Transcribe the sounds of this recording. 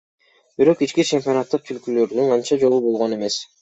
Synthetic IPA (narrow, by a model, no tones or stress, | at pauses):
biɾo̞qit͡ʃkit͡ʃʰe̞mʲpʲio̞nat̪ːɯq̚t͡ʃ̪ʰylkylø̞ɾd̪yɴqʰɑnt͡ʃɑd͡ʒo̞lˠubo̞lˠʁo̞ne̞me̞s